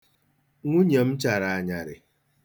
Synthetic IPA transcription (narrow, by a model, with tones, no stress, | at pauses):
ŋʷu˦ɲe˨m̩˦t͡ʃa˨ɾa˨a˨ɲa˨ɾɪ̰˨